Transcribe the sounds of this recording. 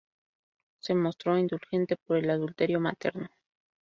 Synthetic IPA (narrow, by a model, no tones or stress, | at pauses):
se̞mo̞st̪ɾo̞ind̪ulxe̞nt̪e̞po̞ɾe̞laðult̪e̞ɾjo̞mat̪e̞ɾno̞